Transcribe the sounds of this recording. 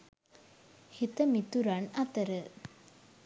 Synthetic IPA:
hit̪əmit̪uɾanat̪əɾə

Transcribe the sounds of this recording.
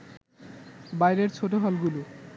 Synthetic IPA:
bajɾeɾt͡ɕʰoʈoɦɔlɡulu

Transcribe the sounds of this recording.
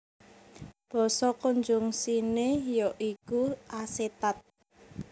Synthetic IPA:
b̥ɔ̤sɔkoɲd͡ʒʊŋsinejɔʔikuʔaset̪at̪̚

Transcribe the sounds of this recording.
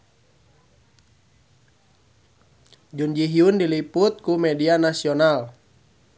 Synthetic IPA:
d͡ʒund͡ʒiɦiundiliput̪̚kumɛdianasiɔnal

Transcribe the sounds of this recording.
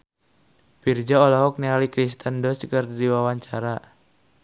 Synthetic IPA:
pird͡ʒaolaɦɔk̚nialikɾist̪əndɔskərdiwawaɲt͡ʃaɾa

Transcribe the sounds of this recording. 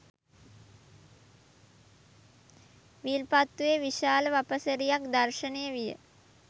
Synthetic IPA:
ʋilpat̪ːujeʋiʃaːləʋapəsəɾijakd̪arʃənejəʋijə̰

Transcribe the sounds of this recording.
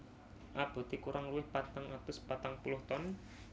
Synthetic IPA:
ʔab̥o̤t̪ikuɾʔaŋruwɪhpat̪aŋʔat̪ʊspat̪aŋpulʊht̪ɔn

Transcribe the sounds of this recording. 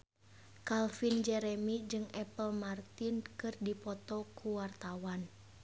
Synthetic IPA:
kalfind͡ʒɛɾɛmid͡ʒɨŋɛpəlmart̪inkɨrdipɔt̪ɔkʰuwart̪awan

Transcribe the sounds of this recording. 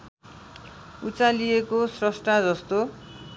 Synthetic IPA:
ut͡salijekosrʌsʈad͡zʌst̪o

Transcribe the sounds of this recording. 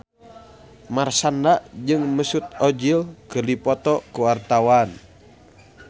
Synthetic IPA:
marsandaʔd͡ʒɨŋməsut̪̚ɔd͡ʒilkɨrdipɔt̪ɔkuwart̪awan

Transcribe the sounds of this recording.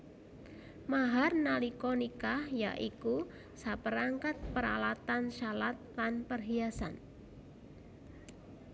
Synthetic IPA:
maɦarnalikɔnikahja̰ʔiku | sapəɾaŋkat̪̚pəɾa̰lat̪anʃalat̪̚lanpərɦiasa̰n

